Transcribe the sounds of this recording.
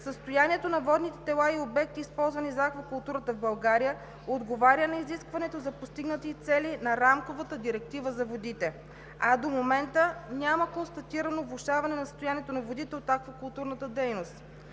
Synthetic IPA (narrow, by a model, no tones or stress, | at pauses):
səst̪ojaniɛt̪onɐvɔd̪nit̪ɛ̥t̪ɛlˠaiobɛk̚t̪iːspɔlˠzvɐnizɐakvɐkʊlˠt̪uɾət̪əvbɐlˠɡaɾijə | od̪ɡovaɾʲjənɐiziskvɐnɛt̪ozɐpost̪iɡnət̪it̪sɛlinɐɾamkovət̪əd̪iɾɛk̚t̪ivəzɐvod̪it̪ɛ | ad̪omomɛnt̪ənʲaməkonst̪ɐt̪iɾɐnovlˠuʃavɐnɛnɐsə̥st̪ojaniɛt̪onɐvod̪it̪ɛot̪akvɐkʊlˠt̪uɾnət̪əd̪ɛjnost̪